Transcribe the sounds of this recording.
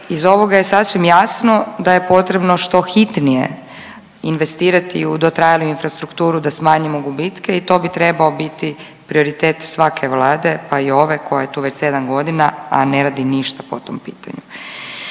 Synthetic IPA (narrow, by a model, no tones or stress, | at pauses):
izo̞ʋo̞ɡaje̞sasʋimjasno̞d̪aje̞po̞t̪ɾe̞bno̞ʃt̪o̞xit̪nijḛ | inʋe̞st̪iːɾat̪iud̪ot̪ɾajaluinfɾast̪ɾukt̪uːɾud̪asmaːɲimoɡubit̪keit̪o̞ːbit̪ɾebao̞bit̪i | pɾio̞ɾit̪eːt̪sʋakʰe̞ʋlˠaːd̪e̞paio̞ʋe̞ko̞jaje̞t̪uːʋe̞t͡ɕsed̪anɡo̞d̪inaa̰neɾaːd̪iniʃt̪apot̪o̞̰mpiːt̪ʰa̰ɲu